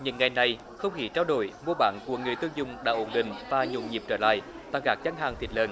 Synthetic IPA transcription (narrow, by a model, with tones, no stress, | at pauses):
ɲɨ̰˧˥ŋːa˨˩jna˨˩j | xə˧wŋ͡mxi˨˦t͡ɕaː˧wɗo˧˩jmu˧ɓa̰ː˧˨˦nku˧˩əŋɨ˨˩əjt̪ɨ˧əŋzʊ˧˨ŋ͡mɗa̰ː˧˥ʔo˧˩nɗḭ̈˧˨ŋ̟vaː˨˩ɲo̰˧˨˩ɲi˨˩p̚t͡ɕəː˧˩la̰ː˧˨j | t̪a̰ː˧˩ɣaː˨˩˥k̚t͡ɕa˧˦ŋ̟ɦaː˨˩ŋt̪ʰi˨˩t̚ləː˧˩n